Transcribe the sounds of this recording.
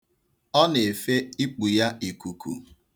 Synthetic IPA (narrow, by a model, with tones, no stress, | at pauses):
ɔ˦ne˨e˨fe˦i˦k͡pu˨ja˦i˨ku˨kʰṵ˨